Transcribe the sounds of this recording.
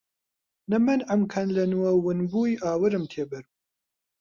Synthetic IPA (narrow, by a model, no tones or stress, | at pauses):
nɨmɨnɐmkʰɐnlɐnuwɐwɨnbuːjʔaːwɨɾɨmt̪ʰeːbɐɾb